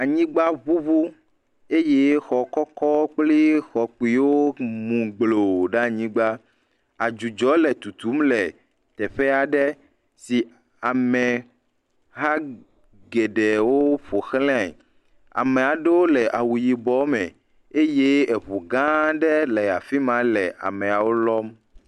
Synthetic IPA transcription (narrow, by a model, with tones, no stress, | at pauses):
a˨ɲĩ˦ɡ͡ba˦vu˦vu˦ | e˦je˦xɔ˨kɔ˦kɔ˦k͡pli˦xɔ˨k͡pi˨wo˦mũ˨ɡ͡blo˨ɖa˦˨ɲĩ˦ɡ͡ba˦ | a˨d͡ʒu˨d͡ʒɔ˨˦lɛ˨t̪u˨t̪u˦mlɛ˨ | t̪ɛ˨ɸɛ˦a˨ɖɛ˦ | si˨ | a˨mɛ̃˨ | ɦa˦ | ɡɛ˨ɖɛ˨wo˦ɸo˨xlɛ̃˦a̰˦˨ | a̰˨mẽ˨a˨ɖe˦wo˦lɛ˨ʔa˨wu˨ji˨bɔ˨˦mɛ̃˨ | e˦je˦ɛ˨ɸo˨ɡã˦ɖɛ˦lɛ˨a˨fi˦mã˨˦lɛ˨ʔa̰˨mɛ̃˨a˨wo˦lɔ˦m